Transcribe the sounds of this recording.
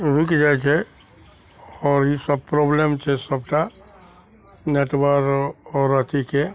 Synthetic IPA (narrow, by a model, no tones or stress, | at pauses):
ɾukd͡ʒat͡ʃʰɛ | ɔːɾjisəb̚pɾɔblemt͡ʃʰɛsəb̚ʈa | neʈwəɾɔːɾət̪ʰike